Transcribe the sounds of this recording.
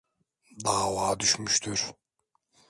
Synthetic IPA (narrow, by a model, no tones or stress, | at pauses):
d̪aːvaːd̪yʃmyʃt̪ʰyɾ̥